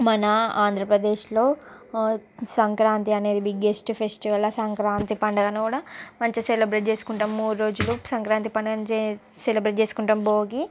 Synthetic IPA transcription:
mɐnɐaːnd̪ʱɾɐpɾɐd̪e̞ːʃloː | sɐŋkɾaːnt̪iɐne̞ːd̪ibiɡesʈpʰesʈiʋɐlɐsɐŋkɾaːnt̪ipɐɳɖɐɡɐnkuːɽamɐɲt͡ʃiselebɾeʈd͡ʒe̞ːsu̥kuɳʈɐmːuːɽɾo̞ːd͡ʒulusɐŋkɾaːnt̪̬ipɐɳɖɐɡɐnd͡ʒeselibɾeʈt͡ʃeːsukuɳʈɐmboːɡi

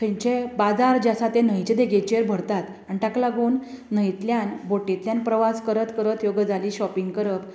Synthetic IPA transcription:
kʰə̃ɲt͡ɕebad͡zaɾd͡ʑasat̪ẽnəjt͡ɕed̪eɡet͡ɕeɾbʱəɽt̪at̪ | anʈaklaɡonː | əjt̪ljanboʈit̪ljanpɾəʋaskəɾət̪kəɾət̪joɡd͡zʱaliːɕɔpiŋɡkəɾəp

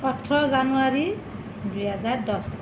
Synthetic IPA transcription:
ɔtʰɹɔzanuaɹi | dujɦazaɹdɔs

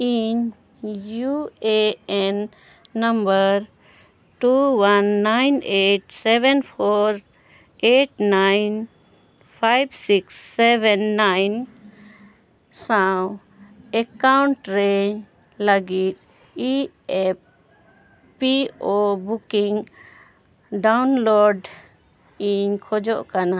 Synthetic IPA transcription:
in | jueenː | əmbəɾ | ʈuwanːaɪneːʈseʋenpʰoːɾ | eːʈnaɪn | pʰaɪbsiksːeʋẽnːaɪn | saw | ɛkawɳʈɾɛ | ləɡit̪̚ | i | ɛp̚ | piobukiŋ | ɖawnloɖ | iɲkʰɔd͡ʒɔʔkana

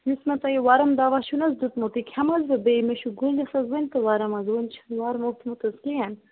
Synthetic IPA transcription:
nismɐt̪ɐjiwaɾɐmd̪aːʋaʃunɐzd̪ut̪mot̪ikʲʰɐmɐzʋɐbemeʃuɡulʲdɐsɐzwɐnʲt̪ɨwaɾɐmɐzwɐnʲt͡ʃʰɐ̥nwaɾmoht̪ʰmut̪ɐzkʲijɐn

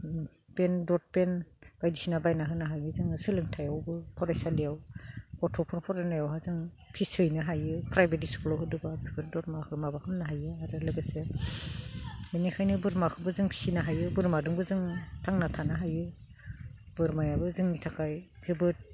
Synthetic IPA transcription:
pendɔt̚penb̥ajdisinabajnaɦɯnaɦajɯzɯŋɯsɯlɯŋtʰajawbɯpʰɔɾajsalijawkɔtʰɔpʰɔɾpʰɔɾanajawɦazɯŋ | pʰisɯjnɯɦajɯpɾajbeɾiskɔlɔwɦɯdɯbapʰibʰɯɾdɔtmakʰɯmabakʰɯmnaɦajɯaɾɯlɯɡɯse | minikʰajnɯbɯɾmakʰɯbɯzɯŋpʰi̥sinaɦajɯbɯɾmadɯŋbɯzɯŋtʰaŋnatʰanaɦajɯ | bɯɾmajabɯzɯŋnitʰakʰaj | z̥ɯbɯt̚

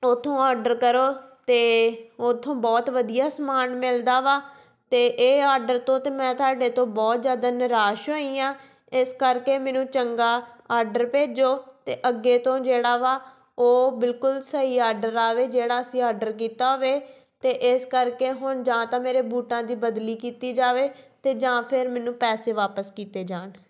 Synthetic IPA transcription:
ot̪ʰːõːaːɾɖəɾkəɾoːt̪eːot̪ʰːõːbɔːt̪ʋəd̪ijaːsəmaːnmɪld̪aːʋaː | t̪eːʔeːaːɾɖəɾt̪õːt̪eːmɛ̃ːt̪ʊaːɖeːt̪õːbɔːt̪zjaːd̪aːnɪɾaːʃoĩːãː | ɪskəɾkeːmɛ̃ːnũːt͡ʃəŋɡaːaːɾɖəɾpeːd͡ʒoːt̪eːʔəɡːeːt̪õːd͡ʒeːɽaːʋaː | oːbɪlkʊlsəɦiːaːɾɖəɾaːʋeːd͡ʒeːɽaːəsĩːaːɾɖəɾk̬iːt̪aːʋeː | t̪eːʔɪskəɾkeːɦʊɳd͡ʒãːt̪ãːmeːɾeːbuːʈãːd̪iːbəd̪liːkiːt̪iːd͡ʒaːʋeːt̪eːd͡ʒãːpʰɪɾmɛ̃ːnũːpɛːseːʋaːpəskiːt̪eːd͡ʒaːɳ

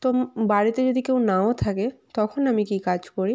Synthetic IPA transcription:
t̪ombaɾit̪ed͡ʑod̪ʱikewnaot̪ʰaket̪ɔkʰonamikikad͡ʑkoɾi

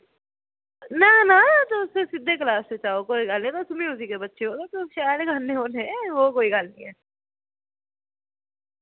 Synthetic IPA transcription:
nɐnanat̪oʊsesɪd̪ʱːek̬laːset͡ʃaːokoːiɡaːlnẽt̪osʊmĩʊs̬ikebɐtːʃʰeɦot̪ot̪oʃaːɾeɡʱanːeɦoːneʋokoːiɡaːlnḭ̃ɛː

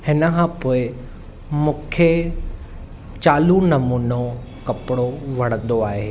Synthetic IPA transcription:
hɪnə̆kʰãːpoːɪ | mũːkʰe | t͡ɕaːlunɐmuːno | kɐpɪɽoʋɐɽ̃ə̃nd̪oaːɦeː

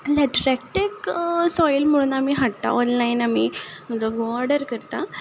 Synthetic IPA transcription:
lɛʈɾɛkʈeksɔjlm̤əɽ̃uːnamiɦaʈt̪a̰ɔnlainamim̤ənd͡zoɡɔɾɖəɾkəɾt̪a

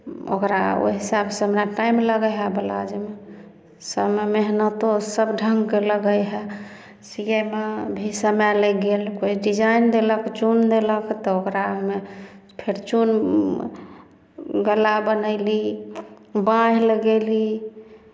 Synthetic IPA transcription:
o̰kɾa̰o̰ɦisabsə̃mɾaʈaimləɡəjɦabəla̰d͡ʒeme | səmmeɦnət̪osəbɖʱəŋɡkeləɡəjɦɛ | siɡemebʱisəmɛlɛɡelkoiɖid͡ʒaind̪eləkt͡ʃund̪eləkʰt̪ɔokɾaɦme | pʰeɾt͡ʃun | ɡəlabənəli | bãɦləɡeli

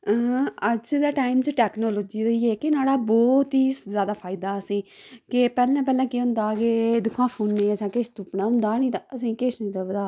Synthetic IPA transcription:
ət͡ʃd̪ɛːʈaːɪmt͡ʃʈɛːknoːloːd͡ʒiːɾəiːeːkenaːɽaːbɔːt̪ɦiːzjaːd̪aːpʰaːɪd̪aːəsĩː | kɪpɛːlɛ̃ːp̬ɛːlɛ̃ːkeːʊ̃nd̪aːɡeːd̪ʊkʰːãːpʰuːnːẽːəsãːkeʃt̪ʊpnaːʊ̃nd̪aːnĩːt̪aəsĩːkeʃnĩːd̪əʋəaː

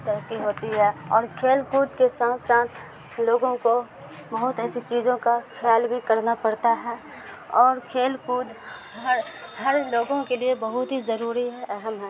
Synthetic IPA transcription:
t̪ɐɾəkːiɦoːt̪iɦɛːɔːɾkʰeːlkuːd̪kesaːt̪ʰsaːt̪ʰ | loːɡõko | bɐɦʊt̪ɛːsit͡ʃiːzõkaxʰjaːlbʱikɐɾnapɐɾt̪aɦɛː | ɔːɾkʰeːlkuːd̪ | ɦɐɾhɐɾloːɡõkeliebɐɦʊt̪ɦizɐɾuːɾiɦɛʔɛɦəmɦɛ̃ː

